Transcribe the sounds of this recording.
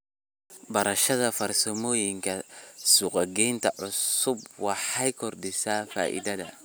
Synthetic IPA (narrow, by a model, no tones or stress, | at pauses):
bɐɾɐʃɐðɐfɐɾsɔmoːjiŋkɐsuqʼɐɡɛnt̪ɐʕʊssubwɑħajkɔrdɪsafa̰ːʔḭd̪ɐd̪ɐ̰